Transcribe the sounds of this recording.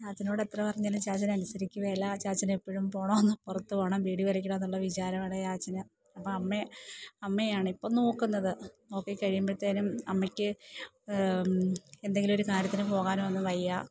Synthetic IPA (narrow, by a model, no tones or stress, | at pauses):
t͡ɕaːt͡ɕːɐnoːɽet̪rɐpɐrɐɲːaːlumt͡ɕaːt͡ɕːɐnɐnusɐɾikʲːuʋelːɐt͡ɕaːt͡ɕːɐnepːoɻumpo̞ːɳɐmɐnːɨpurɐt̪ːupoːɳɐmbiːɽiʋɐɾɐkʲːuɽɐɐnːuɭːɐʋit͡ɕaːɾɐmaːɽejaːt͡ɕːɐnɨ | ɐpːɐɐmːeɐmːejaːɳɨipːo̞ːno̞ːkːunːɐðɨno̞ːkːɨkːɐɻijambeɽut̪ːɐðinumɐ̰mːɐkʲːɨ | e̞nd̪e̞ŋɡilɨmoɾukaːɾjɐt̪ːinɨpo̞ːɣaːnumʋɐnːɨʋɐjːa